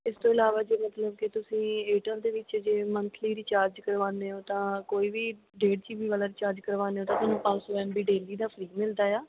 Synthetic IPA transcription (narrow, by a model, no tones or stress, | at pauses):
ɪst̪õːɪlaːʋaːd͡ʒeːmət̪ləb̚kɪt̪ʊsĩːeːʈə̃d̪eːʋɪt͡ʃd͡ʒeːmə̃nt̪ʰliːɾiːt͡ʃaːɾd͡ʒkəɾʋaːneːɦoːt̪ãːkoːiːbiː | ɖeːɽt͡ʃiːbiːʋaːlaːɾiːt͡ʃaːɾd͡ʒkəɾʋaːneːɦoːt̪ãːt̪ʊnũːpãsoːʋɛːnbiːɖeːliːd̪aːpʰəɾiːɡmɪld̪aːjaː